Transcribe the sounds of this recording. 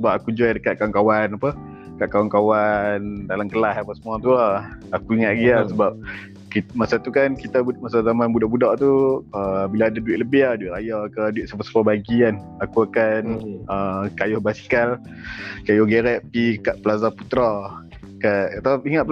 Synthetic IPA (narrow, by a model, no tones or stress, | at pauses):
səbap̚akud͡ʒadəkat̪̚kawankawanapə | kaʔkawankawandalamkəlahapasəmuat̪uaakuiŋaʔ̪̚ɡiasəbap̚ | kimasat̪ukankit̪abumasazamanbudaʔbudaʔt̪uəbilaːdaduɪt̪ʔ̚ləbɪduiʔɾajakəduɪt̪ʔ̪̚sapasə̥pabaɡikan | akuakanəkajʊhbasi̥kal | kajʊhɡeɾɛʔ̚pikaʔpəlazaput̪ɾa | kaʔkat̪aiŋat̪̚p